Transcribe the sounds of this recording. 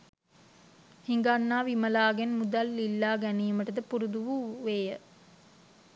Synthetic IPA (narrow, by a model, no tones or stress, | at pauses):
hiŋɡanːaːʋiməlaːɡenmud̪ɐlːilːaːɡæniːməʈəd̪əpuɾud̪uʋuʋeːjə